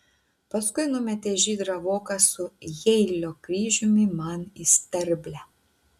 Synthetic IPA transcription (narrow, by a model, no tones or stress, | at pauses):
pɐskʊɪnʊmʲɛt̪ʲeːʒʲiːd̪ɾɐʋoːkɐsʊjɛɪlʲoːkɾʲiːʒʲʊmʲɪmɐnisʲt̪ʲɛɾʲbʲlʲɛ